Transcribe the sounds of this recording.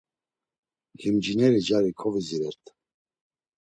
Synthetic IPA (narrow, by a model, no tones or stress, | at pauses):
himd͡ʒinɛɾid͡ʒaɾikʰɔviziɾɛɾt̪ʰ